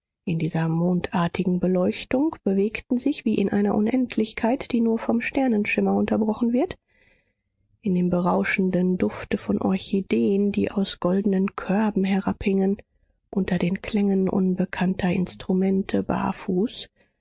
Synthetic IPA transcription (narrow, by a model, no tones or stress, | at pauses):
ʔɪndiːzɐmoːntʰʔaːɐtɪɡŋ̩bəlɔʏçtʊŋkb̥əveːktn̩zɪçv̥iːʔɪnʔa̰ɪnɐʔʊnʔɛntʰlɪçkʰaɪtd̥iːnuːɐfɔmʃtɛɐnənʃɪmɐʊntɐbʁɔχn̩vɪɐt | ʔɪndeːmbəʁaʊʃn̩dəndʊftəfɔnʔɔ̰ɐçideːəndḭːʔa̰ʊsɡ̥ɔldən̩ənkʰœɐbm̩ɦɛɐʁaphɪŋən | ʔʊntɐdeːnkʰl̥ɛŋənʔʊ̰nbəkʰantʰɐʔɪ̰nstʁ̥umɛntʰəba̰ːfuːs